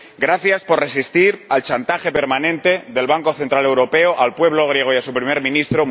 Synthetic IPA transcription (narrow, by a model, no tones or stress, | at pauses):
ɡɾaθjaspo̞rre̞sist̪iɾalt͡ʃant̪axe̞pe̞ɾmãnẽ̞nt̪e̞ðe̞lβaŋko̞θent̪ɾale̞wɾo̞pe̞oʔalpwe̞β̞lo̞ɣ̞ɾje̞ɣ̞ojasupɾime̞ɾmĩnist̪ɾo